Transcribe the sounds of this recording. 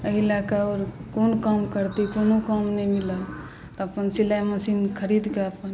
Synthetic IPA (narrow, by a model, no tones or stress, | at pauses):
əilakaoːɾkonkamkəɾt̪ikonokamnəimiləl | t̪ɔəpənsilaməsinkʰəɾid̪keəpən